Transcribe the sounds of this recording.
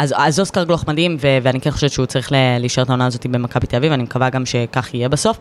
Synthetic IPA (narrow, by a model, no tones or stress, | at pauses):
azazoskaʁɡloχmad̪imveveanikenχoʃevet̪ʃeut͡saʁiχleleiʃe̞et̪ao̞naːzo̞t̪ibemakabitelavivanimekavaɡamʃe̞kaχijebaso̞f